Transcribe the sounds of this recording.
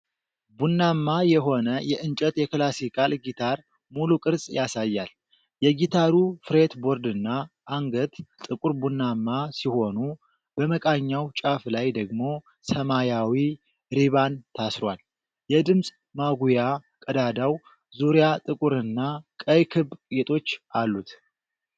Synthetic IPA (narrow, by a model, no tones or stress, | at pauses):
bunːamːajɛɦo̞nəjɛʔɨnt͡ʃʼɛt̪jɛklasikʰʼalɡit̪ʰaɾ | mulukʼɨɾsʼjasajːal | jɛɡit̪ʰaɾufɨɾe̞t̪bo̞ɾd̪ɨnːa | ʔːŋɡət̪t̪ʼɨkʼuɾbunːamːasiho̞nu | bəməkʼaɲːawt͡ʃʼaflajd̪əɡmo̞ | səmajawi | ɾiβant̪ʰasɾwal | jɛd̪ɨmsʼ | maɡuja | kʼəd̪ad̪aw | zuɾijat̪ʼɨkʼuɾɨnːakʼəjkʰɨβɡet̪ʼo̞t͡ʃːʔalːut̪